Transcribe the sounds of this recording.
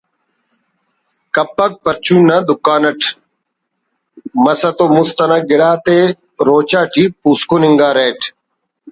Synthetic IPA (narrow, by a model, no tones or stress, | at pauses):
kɐpːək̚pəɾt͡ʃũːnɐd̪ʊkaːnəʈʰ | mɐsɐt̪oːmʊst̪ɐnɐɡɪɽaːt̪eː | ɾoːt͡ʃaːʈiːpuːskunɪŋɡaːɾeːʈʰ